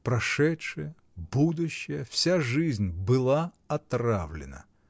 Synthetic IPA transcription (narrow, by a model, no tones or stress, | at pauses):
pɾɐʂɛtʂɨjə | bud̪ʊɕːɪjəfsʲaʐɨzʲnʲbɨlˠa | ɐt̪ravlʲɪ̰nə̰